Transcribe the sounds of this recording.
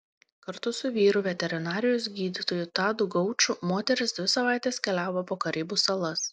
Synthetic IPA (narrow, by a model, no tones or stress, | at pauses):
kɐɾt̪ʊsʊʋʲiːɾʊʋʲɛt̪ʲɛɾʲɪnɑːɾʲɪjoːsɡʲiːd̪ʲɪt̪oːjʊt̪ɑːd̪ʊɡɒʊt͡ʃʲʊmoːt̪ʲɛɾʲɪsd̪ʲʋʲɪsɐʋɑˑɪt̪ʲeːskʲɛlʲæːʋopoːkɐɾʲiːbuːsɐlˠɐs